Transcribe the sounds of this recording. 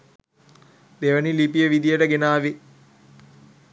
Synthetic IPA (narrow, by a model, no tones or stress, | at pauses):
d̪eʋənilipijəʋid̪ijəʈəɡenaːʋi